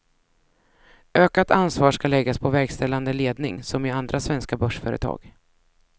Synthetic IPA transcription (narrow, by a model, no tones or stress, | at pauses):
øːkat̪ansvɑːʂkalɛɡːaspʰɔvɛɾɡst̪ɛlːand̪əleːd̪nɪŋsɔmɪand̪ɾasvɛnskabœʂfœːɾə̰t̪ʰɑ̰ːɡ̥